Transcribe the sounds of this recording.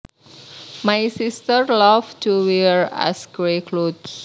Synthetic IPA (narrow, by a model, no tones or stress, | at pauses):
majsistərlavtuwiɹa̰sɡɾekʰlods